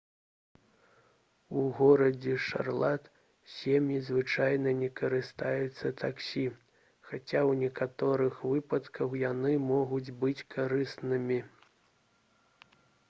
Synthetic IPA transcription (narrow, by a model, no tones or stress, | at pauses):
uɣɔɾɐd͡zʲɛʂa̰rlˠat̪ | sʲemʲjizvɨt͡ʂajnɐnʲɛkɐɾɨst̪ajut̪sːɐt̪ʰaksʲi | xat͡sʲawnʲɛkat̪ɔɾɨxvɨpɐt̪kɐwjanɨmɔɣud͡zʲbɨt͡sʲkʰaɾɨsnɨmʲi